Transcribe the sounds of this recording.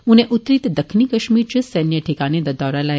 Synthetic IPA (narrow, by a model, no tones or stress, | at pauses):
ũneʔut̪ɾit̪d̪əkʰnikəʃmiɾt͡ʃʰəsɛnjəʈʰikaned̪ɐd̪ɔɾala